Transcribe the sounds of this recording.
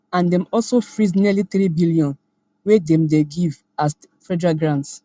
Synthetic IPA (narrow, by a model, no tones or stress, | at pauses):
ãndɛ̃mɔlsofɹisnɛlitɾibiljɔ̃n | wedɛ̃mdeɡiv | as | fɹɛdɹaɡɹãnts